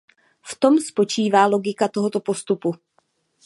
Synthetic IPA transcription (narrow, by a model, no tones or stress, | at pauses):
ft̪o̞mspo̞t͡ʃiːvaːlo̞ɡɪkat̪o̞ɦot̪o̞po̞st̪upu